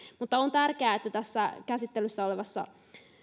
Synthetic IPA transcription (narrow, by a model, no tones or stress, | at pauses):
mut̪ːɑont̪ærkeæːet̪ːæt̪æsːækæsit̪ːelysːæoleʋɑsːɑ̰